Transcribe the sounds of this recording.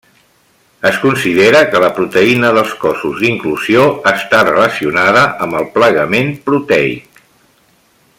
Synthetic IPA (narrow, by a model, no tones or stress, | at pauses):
əskunsiðeɾəkələpɾut̪əinəðəlˠskɔsuzðiŋkluzioəst̪arələsiunaðəʔəmbəlˠpləɣəmempɾut̪ɛḭk